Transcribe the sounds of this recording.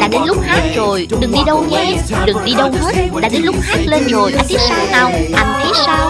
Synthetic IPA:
ɗa̰ː˧˥ɗe˨˦nlʊ˦˥k͡p̚haː˦˥k̚zo˨˩jɗɨ˨˩ŋɗi˧ɗə˧wɲɛ˧ɗɨ˨˩ŋɗi˧ɗə˧wɦe˦˥t̚ɗa̰ː˧˥ɗe˨˦nlʊ˦˥k͡p̚haː˦˥k̚le˧nzo˨˩jɗa̰ː˧˥t̪ʰi˦˥t̚saː˨˦wna˧˩wʔa˧jŋ̟t̪ʰi˦˥t̚sa˧˦w

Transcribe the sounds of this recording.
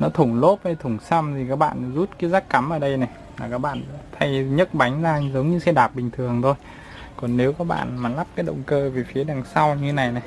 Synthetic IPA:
nɔ˨˦t̪ʰʊ˧˩ŋ͡mlo˦˥p̚ha˨˧jt̪ʰʊ˧˩ŋ͡msa˧mt̪ʰi˨˩kaː˦˥k̚ɓa̰ː˧˨n˨zu˦˥t̚kaː˨˦jzaː˦˥kka˨˦mʔəː˨˩ɗə˧jna˨˩j | laː˨˩kaː˦˥k̚ɓa̰ː˧˨nt̪ʰa˧jɲə˦˥t̚ɓa˨˦jŋ̟zaː˧zə˨˦wŋ͡mɲɨ˧sɛ˧˥ɗaː˨˩p̚ɓï˨˩ŋ̟t̪ʰɨ˨˩əŋt̪ʰo˧j | kɔ˨˩nːe˨˦wkɔ˨˦˥k̚ɓa̰ː˧˨nmaː˨˩la˦˥p̚kaː˨˦jɗə̰˧˨wŋ͡mkəː˧ve˨˩fi˨˦ɗaː˨˩ŋsa˧wɲɨ˧˦na˨˩jna˨˩j

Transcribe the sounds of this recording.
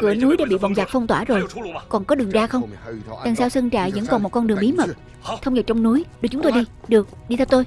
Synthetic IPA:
kɨ˧˩ənu˨˦jɗa̰ː˧˥ɓḭ˧˨ɓɔ˨˩nzaː˨˩fə˧wŋ͡mt̪waː˧˩zo˨˩jkɔ˨˩nkɔ˨˦ɗɨ˨˩əŋzaː˧xə˧ŋ͡mɗ̪aː˨˩ŋsaː˧wsə˧ŋt͡ɕa̰ː˧˨zə̰˧˥nkɔ˨˩nmo˨˩t̚kɔ˧nɗɨ˨˩əŋmɓi˨˦mə˨˩t̚ | t̪ʰə˧wŋ͡mzə˨˩t̚t͡ɕɔ˧wŋ͡mnu˨˦jɗɨ˨˩k̚t͡ɕʊ˨˦ŋ͡mt̪jɗi˧ɗɨ˨˩ək̚ɗi˧t̪ʰɛ˧wt̪o˧j

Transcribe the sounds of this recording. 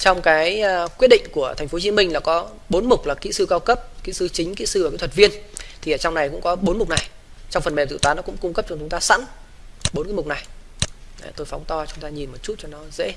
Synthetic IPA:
t͡ɕɔ˧wŋ͡mkaː˨˦jkwi˦˥ət̚ɗḭ˧˨ŋ̟ku˧˩ət̪ʰa˨˩ŋ̟fo˨˦t͡ɕi˨˦mï˧ŋ̟laː˨˩kɔ˨˦ | ɓo˨˦nmʊ˨˩k͡p̚laː˨˩kḭ˧˥sɨ˧kaː˧wkə˦˥p̚kḭ˧˥sɨ˧t͡ɕï˨˦ŋ̟kḭ˧˥sɨ˧əː˨kaː˨˧˦t̪ʰtvi˧ənt̪ʰi˨˩ə˨˩t͡ɕwŋ͡mna˨˩jkʊ̰˧˥ŋ͡mkɔ˨˦ɓo˨˦nmʊ˨˩k͡p̚na˨˩j | t͡ɕɔ˧wŋ͡mfə˨˩mɓɛ˨˩t̪ɨ̰˧˨t̪waː˨˦nɔ˨˦kʊ̰˧˥ŋ͡mkʊ˧ŋ͡mkə˦˥p̚t͡ɕɔ˧t͡ɕʊ˨˦ŋ͡mt̪aː˧sa̰˧˥n | ɓo˨˦nkːa˨˦m˨˩k͡p̚na˨˩j | t̪o˧jfɔ˨˦wŋ͡mt̪ɔ˧t͡ɕʊ˨˦ŋ͡mt̪aː˧ɲi˨˩nmo˨˩t̚t͡ɕu˦˥t̚t͡ɕɔ˧nɔ˨˦zḛ˧˥

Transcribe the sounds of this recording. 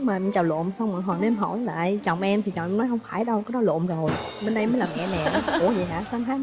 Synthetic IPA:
maː˨˩m˧t͡ɕɔ˨˩lo̰˧˨msa˧wŋ͡mmə˨˩ŋɦɔː˨˩ne˧mɦɔ̰˧˩jla̰ː˨˧˨jt͡ɕɔ˨˩wŋ͡mʔɛ˧mt̪ʰi˨˩t͡ɕɔ̰˨˩ŋ͡mʔɛ˧mnɔ˨˦jhə˧wŋ͡mfaː˧˩jɗə˧wkaː˨˦jɗɔ˨˦˥lo̰˧˨mzo˨˩jɓe˧nɗə˧jməː˨˦jlaː˨˩mɛ̰˧˨nɛ̰˨˩ku˧˩əzi˨˩ɦa̰ː˧˥sa˧ntʰaː˨˦

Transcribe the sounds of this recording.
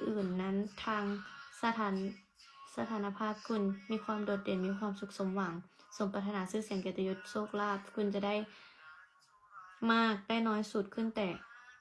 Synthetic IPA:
ʔɯː˨˩nːa˦˧˥nt̪ʰaː˧ŋsa˧t̪ʰaː˨˧˦n | sa˧t̪ʰaː˨˦na˧pʰaː˥˩p̚kʰu˧˥˨nmiː˧˥˧kʰwaː˧˥˨mdoː˨˩t̪̚de˨˩nmiː˧˥kʰwaː˧˥˨msu˧˦k̚so˨˦mwa˨˦ŋso˩˦ŋpa˧˥t̪ʰa˧naː˨˧˥sɯː˧˥˨si˨˦ŋke˨˩t̪a˧jo˧t̪̚soː˥˩k̚laː˧˥˩t̪̚kʰu˧˨nt͡ɕa˨˧˨da˥˨j | maː˥˩k̚da˥˨jnɔː˧˥jsu˨˩t̪̚kʰɯ˧˥˨nt̪ɛː˨˩

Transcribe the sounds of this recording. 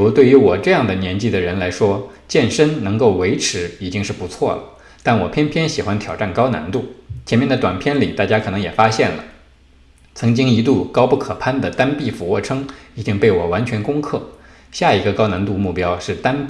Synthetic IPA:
ɻu˧˥t̪we˥˩ɪy˧˥wɔ˨˩ʈ͡ʂɤ˥˧jɑ˥˩ŋd̪ə˩njɛ˧˥nt͡ɕi˥˩d̪ə˩ɻə˧˥nla˧˥ɪʂwɔ˥ | t͡ɕjɛ˥˩nʂə˥nnɤ˧˥ŋko˥˩ʊwe˧˥ɪʈ͡ʂʰɻ̩˧˥i˨˩t͡ɕi˥ŋʂɻ̩˥˩pu˧˥t͡sʰwɔ˥˩lə̰˩ | t̪a˥˩nwɔ˨˩pʰjɛ˥npʰjɛ˥nɕi˨˩xwa˥nt̪ʰjɑ˨˩ʊʈ͡ʂa˥˩nkɑ˥ʊna̰˧˥nt̪u˥˩t͡ɕʰjɛ˧˥nmjɛ˥˩nd̪ə˩t̪wa˨˩npʰjɛ˥nli˨˩t̪a˥˩t͡ɕja˥kʰɤ˨˩nɤ˧˥ŋjɛ˨˩fa˥ɕjɛ˥˩nlə̰˩ | t͡sʰɤ˧˥ŋt͡ɕi˥ŋi˧˥t̪u˥˩kɑ˥ʊpu˥˩kʰɤ˨˩pʰa˥˩nd̪ə˨t̪a˥npi˥˩fu˧˥wɔ˥˩ʈ͡ʂʰɤ˥ŋi˨˩t͡ɕi˥ŋpe˥˩ɪwɔ˨˩wa˧˥nt͡ɕʰɥɛ˧˥nkʊ˥ŋkʰɤ˥˩ | ɕja˥˩i˧˥ɡə˧kɑ˥ʊna˧˥nt̪̬u˥˧mu˥˩pjɑ˥ʊʂɻ̩˥˩t̪a˥np

